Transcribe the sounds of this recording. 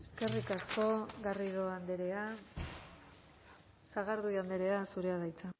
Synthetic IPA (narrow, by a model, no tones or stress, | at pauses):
e̞ske̞rikasko̞ɡarið̞o̞and̪eɾe̞a | saɣ̞aɾðujand̪e̞ɾe̞asuɾe̞aðajt͡sa